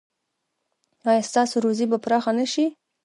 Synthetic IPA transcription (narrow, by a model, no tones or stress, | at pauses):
ɑjɑst̪ɑsoɾozibapɾɑxanəʃi